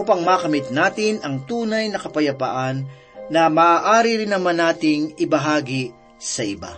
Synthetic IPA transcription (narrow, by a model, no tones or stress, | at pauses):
upɐŋmaːkɐmɪt̪̚naːt̪ɪnɐŋt̪uːnɐjnɐkɐpɐjɐpa̰ːʔɐnː | ɐmaːʔaːɾiɾɪnːɐmanːaːt̪ɪŋɪbɐɦaːɡi | sɐʔɪba̰